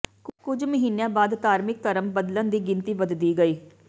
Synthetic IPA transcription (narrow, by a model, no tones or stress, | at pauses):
kʊd͡ʒməɦiːnejãːbaːd̪t̪aːɾmɪk̚t̪əɾəmbəd̪lə̃nd̪iːɡɪnt̪iːʋəd̪d̪iːɡəiː